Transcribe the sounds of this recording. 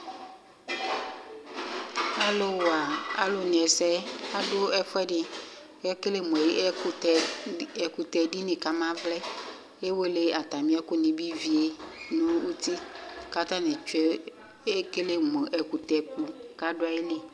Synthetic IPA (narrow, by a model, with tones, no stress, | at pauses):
a˦lo˦wa˨a̰˨lo˨nẽ˨ɛ˨sɛ˦a˦ɖo˦ɛ˦ɸɛ˦ɖɪ˨˦ | ɛ˦ke˦le˦mɔ̃˨je˦˨ | ɛ˨ku˨t̪ɛ˨ɖi˦nẽ˨ka˨mã˦vlɛ˦ | e˦wo˦le˦a˨t̪a˨mĩ˦a˦ko˦nĩ˨bi˦vi˨e˦nũ˦wu˦t̪i˦ka˦t̪ã˦nẽ˨t͡ʃɛ˦ | e˦ke˦le˦mɔ̃˨ʔɛ˨ku˨t̪ɛ˨ku˦ka˦ɖo˦a˦je˦le˦